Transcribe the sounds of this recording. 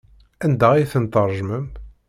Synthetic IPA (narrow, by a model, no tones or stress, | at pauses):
ænd̪æʁijθənt̪əɾˤʒməm